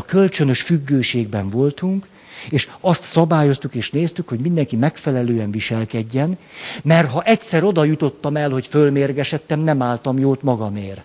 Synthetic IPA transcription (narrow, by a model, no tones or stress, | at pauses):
ɒkølt͡ʃønø̞ʃfyɡːøːʃeːɡ̚bɛɱvo̞lt̪uŋk | eːʃɒst̪sɒbaːjo̞st̪ukeːʃneːst̪ykho̞ɟmind̪ɛŋkimɛkfɛlɛløːɛɱviʃɛlkɛɟːɛnmɛrt̪ɦɒʔɛcsɛɾo̞d̪ɒjut̪o̞t̪ːɒmɛlho̞cfølmeːrɡɛʃɛt̪ːɛmnɛmaːlt̪ɒmjoːt̪mɒɡɒmeːr